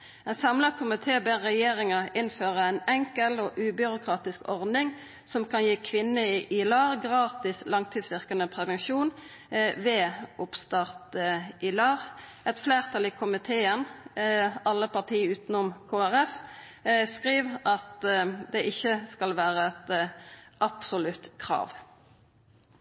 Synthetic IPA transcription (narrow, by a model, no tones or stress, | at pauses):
ɛnsɑmlɑkʰʊmɪt̪ʰeːbeːʁʁɛjeːʁɪŋəʔɪnføːʁəɛnɛŋkəlɔːʔʉːbʏɾʊkʰʁɑːt̪ɪskɔʁd̪ɪŋ | sɔmkʰɑnjiːkʰʋɪnːəɪʔɪlɑːʁɡʁɑːt̪ɪslɑŋt̪ʰɪːd̪sʋɪʁkənəpʰʁɛʋɛnʃuːn | ʋeːʊpst̪ɑʁt̪əʔɪlɑːʁ | ɛt̪fleːʁt̪ʰɑliːkʰʊmɪt̪ʰeːən | ɑlːəpɑʁt̪ʰiːʉːt̪nʊmkʰoːæʁɛf | skʁiːʋʔɑt̪d̪ɛʔɪçːəskɑlʋæːʁəɛt̪ | ʔɑpsʊlʉt̪kʰʁɑ̰ːʋ